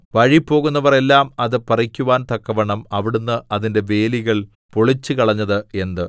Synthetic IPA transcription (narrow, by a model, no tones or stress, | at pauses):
ʋɐɻipːo̞ːɣun̪ːɐʋɐre̞lːaːmɐðɨpɐrikʲːuʋaːnt̪ɐkːɐʋɐɳɐmɐʋiɽunːɨɐðinde̞ʋe̞ːliɣɐɭ | poɭit͡ɕːɨkɐɭɐɲːɐðɨe̞nd̪ɨ